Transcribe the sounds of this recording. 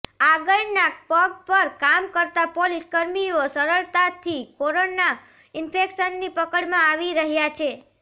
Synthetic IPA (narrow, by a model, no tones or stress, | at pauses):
aɡəɭnapəɡpəɾkamkəɾt̪apoliskəɾmiosəɾəɭt̪at̪ʰikoɾona | ɪnpʰekʃənːipəkəɽmãaʋiɾəɦjat͡ʃʰe